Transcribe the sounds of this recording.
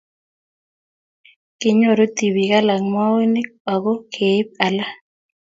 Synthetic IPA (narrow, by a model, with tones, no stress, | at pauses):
kɪ˨ɲo˨ɾo˦t̪i˨wi˨ka˦la˨ŋma˦wo˦nɪ˦ɔ˨ɡɔ˦kʰe˨˦p̚a˨la˦